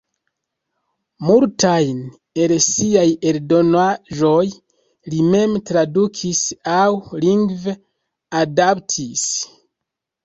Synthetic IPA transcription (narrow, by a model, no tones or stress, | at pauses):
multʰajn | elsiajeldo̞naʒo̞j | lime̞mtɾadukʰisawliŋɡv | adaptʰis